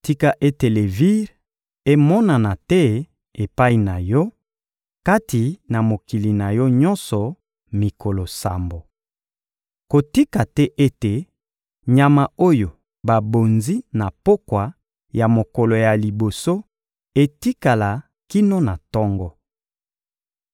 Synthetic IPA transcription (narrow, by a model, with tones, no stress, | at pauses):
ti˦ka˨ʔe˦te˨le˨vi˦ʁ | e˦mɔ˦na˨na˨tɛ˦ | e˨pa˦i˨na˨jɔ˦ | ka˦ti˨na˨mo˨ki˨li˨na˨jɔ˦ɲɔ˦nsɔ˨ | mi˨ko˨lo˨sa˨mbo˨ | ko˨ti˦ka˨tɛ˦ʔe˦te˨ | ɲa˨ma˨o˦jo˨ | ba˨bo˨nzi˦na˨po˦kwa˨ | ja˨mo˨kɔ˨lo˨ja˨li˨bo˨so˦ | e˦ti˦ka˨la˨ | ki˦no˦na˨tɔ˦ŋɡɔ˦